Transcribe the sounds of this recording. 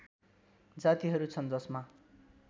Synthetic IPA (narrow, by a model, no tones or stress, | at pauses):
d͡zat̪iɦʌɾut͡sʰʌnd͡zʌsma